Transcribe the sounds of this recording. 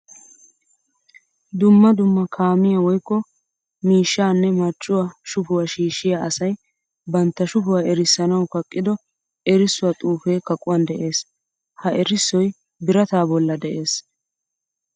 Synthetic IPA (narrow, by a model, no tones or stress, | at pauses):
d̪ʊmːɐd̪ʊmːɐkʰaːmɪjawɔjkːɔ | miːʃːaːnːɛmɐt͡ʃʼːʊwaʃʊfʊwaʃiːʃːɪjaɐsɐj | bɐnt̪ːɐʃʊfʊwaːʔɛɾɪsːɐnɐwkɐkʼːɪd̪ɔ | ɛɾɪsːʊwɐt̪ʼuːfe̞ːkɐkʼʊwɐnd̪ɛʔe̞ːs | hɐʔɛɾɪsːɔj | bɪɾɐt̪aːbɔlːɐd̪ɛʔe̞ːs